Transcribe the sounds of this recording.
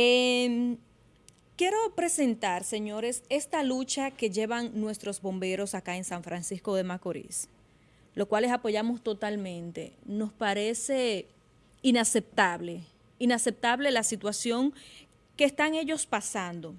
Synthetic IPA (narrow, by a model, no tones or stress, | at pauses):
em | kje̞ɾo̞pɾe̞se̞nt̪aɾse̞ɲo̞ɾe̞se̞st̪alut͡ʃake̞ʝe̞βaŋnwe̞st̪ɾo̞zbo̞mbe̞ɾo̞sakaensaɱfɾansisko̞ðe̞makoɾḭs | lo̞skwalesapo̞ʝamo̞st̪o̞t̪almẽ̞nt̪e̞̰no̞spaɾe̞se̞ | inase̞p̚t̪aβle̞ | inase̞p̚t̪aβle̞lasit̪wasjo̞ŋ | keːst̪aŋe̞ʝo̞spasand̪o̞